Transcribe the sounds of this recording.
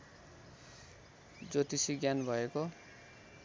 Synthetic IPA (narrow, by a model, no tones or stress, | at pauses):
d͡zot̪isiɡjanbʱʌeko